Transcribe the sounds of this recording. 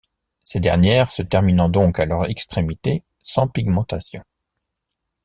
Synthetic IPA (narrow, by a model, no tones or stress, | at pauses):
sed̪ɛ̰ʁnjɛʁsət̪ɛʁminɑ̃d̪ɔ̃kalœʁɛkst̪χemit̪e | sɑ̃piɡmɑ̃t̪asjɔ̃